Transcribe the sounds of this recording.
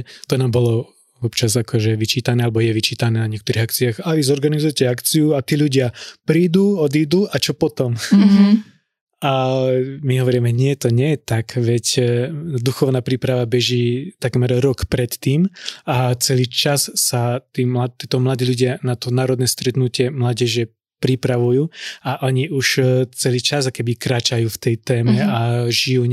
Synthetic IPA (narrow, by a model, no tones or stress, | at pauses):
t̪ɔnaːmbɔlɔ | ʋɔpt͡ʃazakʰɔʒɛʋit͡ʃiːt̪anɛːalɛbɔjɛʋit͡ʃiːt̪anɛːnaɲɪɛkt̪ɔɾiɦak̚t͡siaːɣaʋizɔɾɡanizujɛcɛakt͡sijuat̪iːʎuɟɪapɾiːd̪uɔd̪ijd̪uːat͡ʃɔpɔt̪ɔm | ʔa | miɦɔʋɔɾimɛɲɪɛt̪ɔɲɛjɛt̪akʋɛc | d̪uxɔʊnaːpɾipɾaʋabɛʒiːt̪akmɛɾɾɔkpɾɛt̪ːiːmat͡sɛliːt͡ʃassat̪iːmlat̪ːɛt̪ɔmlad̪iːluɟɪanat̪ɔnaːɾɔd̪nɛːst̪ɾɛt̪nucɪɛmlaːɟɛʒɛ | pɾipɾaʋujuːaʔɔɲiuʃt͡sɛliːt͡ʃaskɛbikɾaːt͡ʃajuːft̪ɛjt̪ɛːmɛaʒijuːɲ